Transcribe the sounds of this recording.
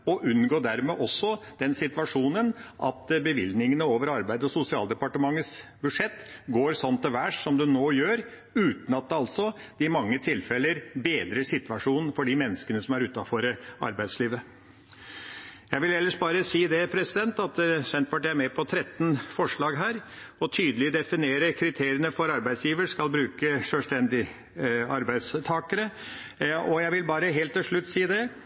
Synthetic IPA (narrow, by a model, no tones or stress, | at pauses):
ɔʔʉnɡoːɖ̪æɾmeːʔɔsːɔd̪̥ɛnsɪt̪ʋɑʂuːnənʔɑ̰t̪bəʋɪ̰ld̪nɪŋənəoːʋəɾɑɾbæɪd̪əɔsʊsɪɑːld̪ɛpɑʈəmɑŋːət̪sbʉʂɛt̪ːɡoːɾsɔnt̪ɔʋæʈsɔmd̪ʉnoːjøːɾ | ʉːt̪n̩ɑt̪̚d̪ɛɑlsɔ | d̪̥ɪmɑŋːət̪ʰɪlfɛləɾbeːd̪ɾəʂɪt̪ʋɑʂuːnn̩fɔɖimɛnːəskənəsɔmæɾʉːt̪ɑfɔɾəɑ̰ɾbæɪd̪sliːʋə | jæɪʋɪlɛlːəʂbɑːɾəsiːd̪ɛpʰɾɛsɪd̪ɛnt̪ɑt̪sɛnt̪pbɑʈːææɾmɛpʰɔt̪ʰɾɛt̪ːnfɔʂɭɑːɡɦæːɾ | ɔt̪ʰyːd̪əlɪd̪ɛfɪneːɾəkʰɾɪt̪ʰeːɾɪənəfɔɾɑɾbæɪd̪sjiːʋəʂkɑlbɾʉːkəʂœlst̪ɛnd̪ɪ | ɑɾbæɪd̪st̪ʰɑːkəɾə | ɔjæɪʋɪlbɑːɾəɦeːlt̪ːɪlʂɭʉt̪ːsiːd̪ɛ